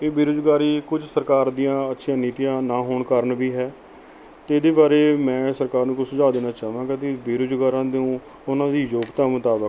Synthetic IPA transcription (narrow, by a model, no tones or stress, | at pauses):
eːbeːɾoːd͡ʒɡaːɾiːkʊd͡ʒsəɾkaːɾd̪ijãːətːʃʰjãːniːt̪ijãːnaːɦoːɳkəɾɳbiːɦɛː | t̪eːd̪eːbaːɾeːmɛ̃ːsəɾkaːɾnũːkʊsəd͡ʒaːd̪eːnaːt͡ʃaːʋãːkət̪eːbeːɾoːd͡ʒɡaːɾãːd̪iũː | ʊnãːd̪iːjoːɡt̪aːmʊt̪aːbək